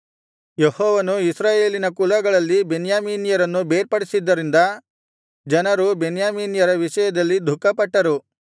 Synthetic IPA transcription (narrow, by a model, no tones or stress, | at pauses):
jehɔːʋɐnuisɾaːje̞ːlinɐkulɐɡɐɭɐlːibenjaːmiːnijɐɾɐnːubeːɾpɐɽisid̪ːɐɾind̪ɐ | d͡ʒɐnɐɾubenjaːmiːnjɐɾɐʋiʃɐjɐd̪ɐlːid̪ʱukːɐpɐʈːɐɾu